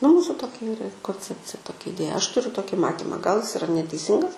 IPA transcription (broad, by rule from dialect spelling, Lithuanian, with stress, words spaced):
nʊ ˈmuːsʊ ˈtoːkʲɛ ˈiːrɐ koːnʲˈt͡sʲæːpʲt͡sʲɪjɛ ˈtoːkʲɛ ɪˈdʲeːjɛ ˈɐʃ tʊˈrʲʊ ˈtoːkʲɪ ˈmɑːtʲɪmɐ ɡɐlˠ ɪs ɪˈrɐ nʲɛtʲɛɪˈsʲɪŋɡɐs